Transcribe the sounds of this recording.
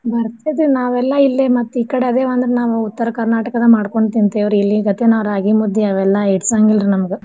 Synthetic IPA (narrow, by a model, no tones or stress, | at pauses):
bɐɾt̪ajd̪enaːʋɛlːɐilːemɐt̪ːuiːkɐɽeɐd̪eːʋɐnd̪ɐɾenaːʋuut̪ːɐɾɐkɐɾnaːʈɐkɐd̪ɐmaːɽko̞ɳɖt̪int̪eːʋɾilːiɡɐt̪ːenaːʋɐɾaːɡimud̪ʱːjiɐʋɛlːɐeʈsaːŋɡild̪ɾinɐmɐɡu